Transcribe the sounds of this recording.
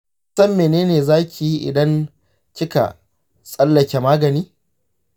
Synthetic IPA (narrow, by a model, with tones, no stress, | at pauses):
sɐ˦mːeː˨neː˦neː˨zaː˦kʲi˨ji˦ʔɪ̰˨dɐ˦n | kʲɪ˦ka̰˨ | sʼɐ˦lːɐ˨kʲe˨maː˦ɡɐ˨niː˦